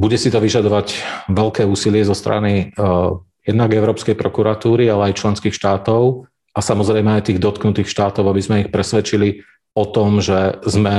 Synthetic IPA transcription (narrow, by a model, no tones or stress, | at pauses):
buɟɛsit̪ɔʋiʒad̪ɔʋaɟʋɛlkɛːuːsilɪɛzɔst̪ɾa̰ni | jɛd̪naɡɛʊɾɔːpskɛjpɾɔkuɾat̪uːɾialɛajt͡ʃlɛnskiːxʃt̪aːt̪ɔʊ | asamɔzɾɛjmɛajt̪iːɣd̪ɔt̪knut̪iːxʃt̪aːt̪ɔʊabizmɛixpɾɛsʋɛt͡ʃili | ɔt̪ɔmʒɛzmɛ